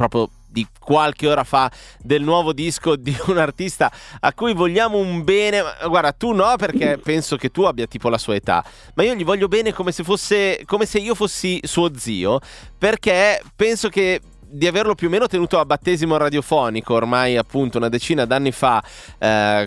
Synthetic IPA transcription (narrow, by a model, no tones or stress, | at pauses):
pɾɔːpɾjo | d̪ikwalk̟eoːɾafa | d̪elnwɔːvod̪iskod̪iunart̪ist̪aakːujvoʎːaːmoumbɛːnema̰ɡward̪at̪unɔperk̟epɛnsok̟et̪ːuabːjat̪iːpolasuːaet̪a̰ | maiːoʎivɔʎːobɛːnekomesefosːekomeseiːofosːisuːod̪zḭːoperkepɛnsok̟e | d̪iaverlopjuomeːnot̪enuːt̪oabːat̪ːeːzimoɾad̪jofɔːnikoːrmajapːunt̪ounad̪et͡ʃiːnad̪anːifa